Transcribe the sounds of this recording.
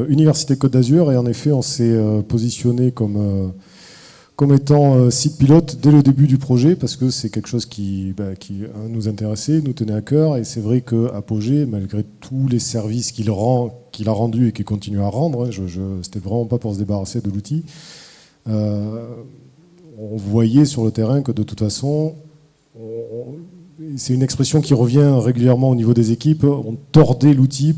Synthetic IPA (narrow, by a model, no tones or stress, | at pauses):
ynivɛʁsi̥t̪ekɔt̪̚d̪azyʁeɑ̃nefɛɔ̃sɛøpozisjɔnekɔmø | kɔmet̪ɑ̃øsit̪pilɔt̪d̪ɛləd̪ebyd̪ypχɔʒɛpaʁsə̥kəsɛkʲɛlkə̥ʃɔzkʲibakʲianuzɛ̃t̪eʁɛsɛnut̪ənɛakœʁesɛvʁɛkəapoʒemalɡʁet̪ʰulesɛʁviskʲilʁɑ̃kʲilaʁɑ̃d̪yekilkɔ̃t̪inyaʁɑ̃d̪ʁɛ̃ʒəʒəse̥t̪ɛvʁɛmɑ̃papuʁsəd̪ebaʁased̪əlut̪ʰi | ø | ɔ̃vwajɛsyʁlət̪eʁɛ̃kəd̪ət̪u̥t̪fasɔ̃ | ɔ̃ | sɛt̪ynɛkspχesjɔ̃kʲiʁəvjɛ̃ʁeɡʲyljɛʁmɑ̃onivod̪ezekʲipɔ̰̃t̪ɔʁd̪ɛlut̪i